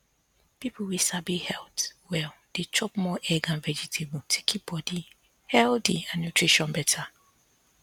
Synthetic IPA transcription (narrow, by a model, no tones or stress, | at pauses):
pipuwisabihɛltwɛld̥et͡ʃɔpmɔʔɛɡãnvɛd͡ʒitʰebutʰe̥kʰib̥ɔdi | hɛldiãnnutʰɹiʃɔ̃nbɛtʰa